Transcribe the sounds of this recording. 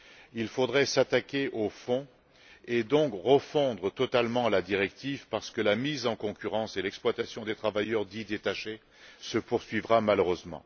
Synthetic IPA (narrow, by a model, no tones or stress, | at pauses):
ilfod̪ʁɛsat̪akʲeʔofɔ̃ | ed̪ɔ̃kʁəfɔ̃d̪ʁət̪ɔt̪almɑ̃alad̪iʁɛk̚t̪ivpaʁsə̥kəlamizɑ̃kɔ̃kʲyʁɑ̃selɛksplwat̪asjɔ̃d̪et̪χavajœʁd̪id̪et̪aʃe | səpuʁsɥivʁamaløʁøzmɑ̰̃